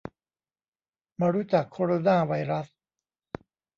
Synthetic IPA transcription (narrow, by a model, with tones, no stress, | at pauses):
ma˧ɾu˦˥t͡ɕa˨˩kʰːoː˧ɾoː˧naː˥˩wa˧jɾa˦˥s